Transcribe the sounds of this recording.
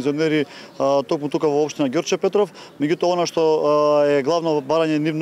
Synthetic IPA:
zionɛɾit̪okmut̪ukavɔopʃt̪inaɡʲoɾt͡ʃɛpɛt̪ɾɔf | mɛɟut̪ɔaonaʃt̪ɔɛɡlˠavnɔbaɾaɲɛnivn

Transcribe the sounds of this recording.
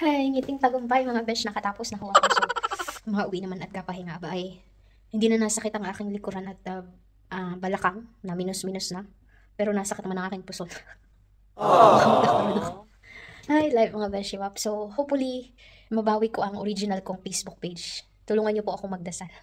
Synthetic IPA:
hɐɪŋiːt̪ɪŋpɐɡʊmpajmɐŋabɛt͡ʃnɐkɐt̪aːposnɐɦoʔɐkosomɐŋaʔʊwiʔnɐmanɐt̪̚ɡapɐhɪŋaʔɐbaʔɐj | hɪnd̪iːnɐnɐsɐkɪt̪ɐŋʔaːkɪŋlɪkʊɾanɐt̪̚ɐ | ʔɐbɐlɐkaŋnɐmiːnʊsmiːnʊsnɐ | pɛːɾo̞nɐsɐkɪt̪nɐmanɐŋaːkɪŋpʊson | ɐɐmɐd̪ɐk̪̚ɾod̪ok | ʔajlatmɐŋabɛʃɪwapsowhowpfʊli | mɐbaːwɪko̞ʔɐŋʔoɾid͡ʒɪnɐlkoŋpejsbʊk̚pejd͡ʒ | t̪ʊluːŋɐnɲːopoʔɐko̞mɐɡ̚d̪ɐsal

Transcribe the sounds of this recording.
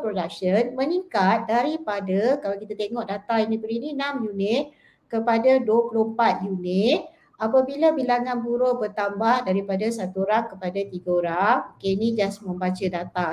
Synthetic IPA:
pɾodak̚ʃənmənikat̪̚daɾipadakalawkit̪at̪eŋɔʔdat̪ainibəɾinĩnãmjunɪt̪̚ | kəpadaduəpulompat̪̚junɪt̪̚ | apəbilabilaŋanbuɾobərt̪ambahdaɾipadasat̪uɾakːəpadat̪iɡəoɾaokeinĩd͡ʒasmə̃mbat͡ʃədat̪a

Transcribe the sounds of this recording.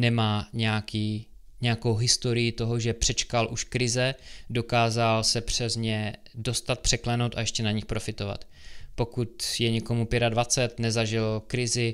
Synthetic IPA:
nɛmaːɲɛjakiː | ɲɛjakowɦɪst̪o̞ɾɪjɪt̪o̞ɦoʒɛpr̝̥ɛt͡ʃkalʔuʃkɾɪzɛdo̞kaːzalsɛpr̝̥ɛzɲɛ | do̞st̪at̪̚pr̝̥ɛklɛno̞wt̪a̰ɛʃcɛnaɲɪxpɾo̞fɪt̪o̞va̰t̪ | po̞kut̪jɛɲɛko̞mupjɛɾadvat͡sɛt̪nɛzaʒɪlkɾɪzɪ

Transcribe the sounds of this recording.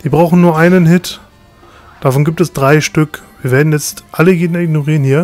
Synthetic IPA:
d̥iːbʁaʊxn̩nuːɐʔaɪnənɦɪt | d̥afɔnɡiːp̚tɛsd̥ʁaɪʃtʏkviːɐveːɐdn̩jɛt͡stʔaləjeːdnɪɡnoʁiːʁənhiːɐ

